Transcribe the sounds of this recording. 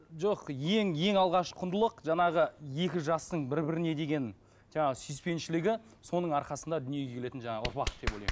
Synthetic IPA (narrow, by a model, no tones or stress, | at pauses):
ʒoqje̞ŋje̞ŋɑlˠʁɑʃqʰʊnd̪əlˠəqʒɑɴɑʁəje̞kʲɪʒɑst̪əɴbɪɾbɪɾɪne̞d̪e̞ɡʲe̞n | ʒ̥ɑɴɑʁəsʏjspe̞nʃɪlɪɡʲɪ | so̞nəɴɑɾqɑsənd̪ɑd̪ʏnije̞ɡʲe̞kʰele̞t̪ɪnʒɑɴɑʊ̰ɾpɑq̪əd̪e̞polɑjm